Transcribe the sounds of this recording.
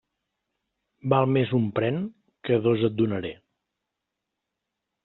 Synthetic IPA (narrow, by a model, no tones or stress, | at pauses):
balˠmezumpɾɛn | kəðozət̪̚d̪unəɾe